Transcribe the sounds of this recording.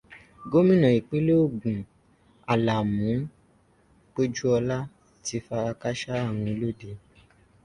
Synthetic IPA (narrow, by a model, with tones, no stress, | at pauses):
ɡo˦mĩ˦˨nã˨i˨k͡pi˦lo˦o˦˨ɡũ˨ | a˨la˨mũ˨˦ | k͡po˦d͡ʒu˦ɔ˧la˦ | ti˧fa˧ɾa˧ka˦ʃa˦a˦˨w̃ũ˧i˧lo˦de˧